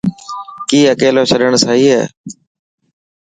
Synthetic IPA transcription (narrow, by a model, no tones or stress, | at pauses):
kiːəkeːloːt͡ʃʰəɗəɳsaːɦiːɦɛ̰ː